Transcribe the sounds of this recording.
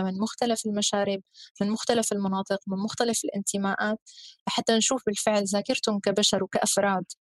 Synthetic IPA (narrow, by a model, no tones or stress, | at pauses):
mɪnmʊxt̪alafɪlmaʃaːɾɪbmɪnmʊxt̪alafɪlmɑnɑːt̪ˤɨqmɪnmʊxt̪alafɪlʔɪnt̪ɪmaːʔaːt̪aħat̪ːanʃuːfbɪlfɪʕlzaːkɪɾt̪ʊmkabaʃɑɾˤwkaʔafɾˤɑːd̪